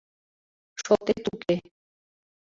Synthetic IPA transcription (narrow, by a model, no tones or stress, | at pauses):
ʃɔt̪et̪uke